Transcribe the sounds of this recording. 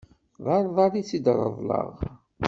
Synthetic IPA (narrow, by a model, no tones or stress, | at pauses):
ðɑɾˤðˤɑɾit͡sːid̪ɾˤə̰ðˤlə̰ʁ